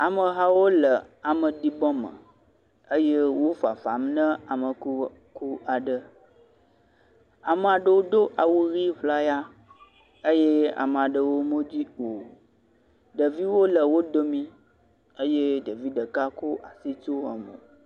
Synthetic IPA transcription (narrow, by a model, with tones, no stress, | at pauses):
a˨mə̃˨ɦa˦wo˦lə˨a˨mə̃˨di˨bɔ̃˦mə̰̃˨ | ə˦je˦wo˦fa˨fa˨mnə̃˦a˨mə̃˨ku˦ | ku˦a˨ɖə˦ | a˨mə˨a˨ɖə˨wo˦d̪o˦ʔa˨wu˦ɣi˦ɸla˦ja˦ | ə˦je˦a̰˨mə˨a˨ɖə˨wo˦mõ˦d͡ʑi˦o˨ | ɖə˨vi˦wo˦lə˨wo˦d̪o˦mĩ˦ | ə˦je˦ɖə˨vi˦ɖə˨ka˦ko˦ʔa˨si˦t͡ʃo˦ə̰˨mə̰̃˨